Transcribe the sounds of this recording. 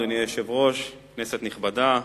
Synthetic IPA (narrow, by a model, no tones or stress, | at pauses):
onieʃevʁo̞ʃkneset̪niχbad̪a